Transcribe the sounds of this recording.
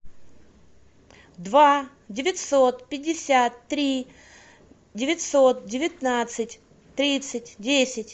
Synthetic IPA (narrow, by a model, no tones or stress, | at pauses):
d̪va | dʲɪvʲɪt̪ʲso̞t̪pʲɪdʲːɪsʲat̪ːɾʲi | dʲɪvʲɪtʲso̞t̪̚dʲɪvʲɪt̪nat̪sɨtʲ | t̪ɾʲit̪sɨtʲdʲesʲɪtʲ